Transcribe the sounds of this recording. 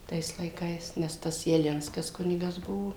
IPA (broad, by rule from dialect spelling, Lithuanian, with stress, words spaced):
ˈtɐɪs lˠɐɪˈkɐɪs nʲɛs ˈtɐs jɛˈlʲɪnskɐs ˈkʊnʲɪɡɐs ˈbʊʋoː